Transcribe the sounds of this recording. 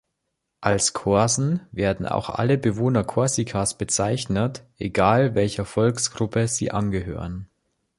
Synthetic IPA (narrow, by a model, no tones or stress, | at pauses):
ʔalskʰɔɐzn̩veːɐdn̩a̰ʊxʔa̰ləbəvoːnɐkʰɔɐsikʰasb̥ət͡saɪçnətʔeɡaːlvɛlçɐfɔlksɡ̥ʁʊpəzḭːʔanɡəɦø̰ːʁən